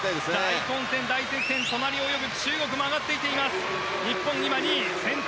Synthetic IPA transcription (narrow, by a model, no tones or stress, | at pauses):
t̪ad̪esikõñsẽnd̪aisẽsẽ̞nt̪o̞naɾʲio̞jo̞bɯ̟t͡ɕɨːɡo̞k̬ɯ̟moaɡat̪ːe̞it̪e̞imasɨ̥ | ɲ̟ipːõɲɲimaɲ̟isẽ̞n